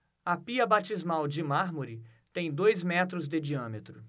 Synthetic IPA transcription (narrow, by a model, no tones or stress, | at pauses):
ɐpiɐbat͡ʃizmawd͡ʒɪmaɾmoɾi | t̪ẽj̃d̪ojzmɛt̪ɾʊzd̪ɪd͡ʒiɐ̃met̪ɾʊ